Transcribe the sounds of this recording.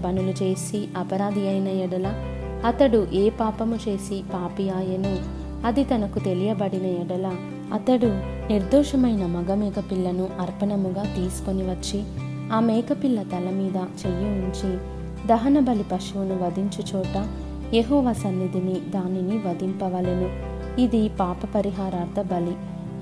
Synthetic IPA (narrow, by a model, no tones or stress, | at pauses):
pɐnulut͡ʃe̞ːsiɐpɐɾaːd̪ʱiɐjnɐɛɽɐlɐ | ɐt̪ɐɽuʔeːpaːpɐmut͡ʃe̞ːsipaːpijaːjɐnu | ɐd̪it̪ɐnɐkut̪e̞lijɐbɐɽinɐɛɽɐlɐ | ɐt̪ɐɽu | niɾd̪ɔːʂɐmɐjnɐmɐɡɐmɛːkɐpilːɐnuʔɐɾpɐɳɐmuɡaːt̪iːsu̥ko̞niʋɐt͡ʃːi | aːmɛːkɐpilːɐt̪ɐlɐmiːd̪ɐt͡ʃejːuuɲt͡ʃi | d̪ɐɦɐnɐbɐlipɐʂuunuʋɐd̪iɲt͡ʃɐt͡ʃɔːʈɐ | jeɦɔːʋaːsɐnːid̪inid̪aːniniʋɐd̪impɐʋɐlenu | id̪ipaːpɐpɐɾiɦaːɾaːɾd̪ʱɐbɐli